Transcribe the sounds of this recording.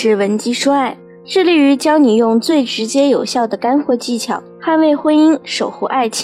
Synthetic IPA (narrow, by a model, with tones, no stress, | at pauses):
ɻ̩˥˩wə˧˥nt͡ɕi˥ʂu˥a˥˩ɪ | ʈ͡ʂɻ̩˥˧li˥˩y˧˥t͡ɕjɑ˥ʊni˨˩jʊ˥˧ŋt͡swe˥˩ɪʈ͡ʂɻ̩˧˥t͡ɕjɛ˥jo˨˩ʊɕjɑ˥˩ʊd̪ə˩ka˥nxwɔ˥˧˩t͡ɕi˥˩t͡ɕʰjɑ̰˨˩˦ʊxa˥˧nwe˥˩ɪxwə˥ni˥nʂo˨˩ʊxu˧˥ʔa˥˩ɪt͡ɕʰ